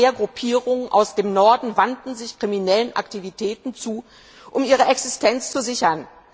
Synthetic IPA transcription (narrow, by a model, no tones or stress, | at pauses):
eːɐɡʁʊpʰiːʁʊŋənʔaʊsd̥eːmnɔɐdn̩vantn̩zɪçkʁ̥iminɛlənʔa̰ktivitʰɛːtn̩t͡suː | ʔʊmʔiːʁ̞əʔɛksɪstʰɛnt͡st͡suzɪçɐn